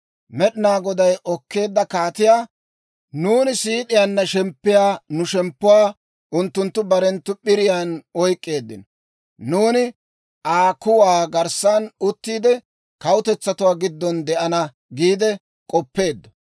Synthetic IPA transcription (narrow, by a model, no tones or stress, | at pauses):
mɛɗɪnaːɡɔd̪ɐjʔɔkːe̞ːd̪ːɐkaːt̪ɪjaː | nuːnɪsiːt̪ʼɪjaːnːɐʃɛmpːɪjaːnʊʃɛmpːʊwaː | ʔʊnt̪ːʊnt̪ːʊbɐɾɛnt̪ːʊɓɪɾɪjaːnɔjkʼːe̞ːd̪ːɪnɔ | nuːnɪ | ʔaːkʊwaːɡɐɾsanʊt̪ːiːd̪ɛ | kɐwʊt̪ɛt͡sːɐt̪ʊwaːɡɪd̪ːɔnd̪ɛʔɐnɐ | ɡiːd̪ɛ | kʼɔpːe̞ːd̪ːɔ̥